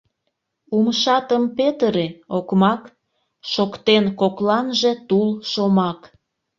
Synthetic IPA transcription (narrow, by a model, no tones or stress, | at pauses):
umʃɑt̪əmpet̪əɾeokmɑk | ʃokt̪enkoklɑnʒe̽t̪ulʃomɑk